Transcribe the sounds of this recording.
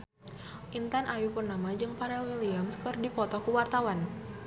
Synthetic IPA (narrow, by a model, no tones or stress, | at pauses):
ʔint̪anʔajupurnamad͡ʒɨŋpaɾɛlwiliamskɨrdipɔt̪ɔkuwart̪awan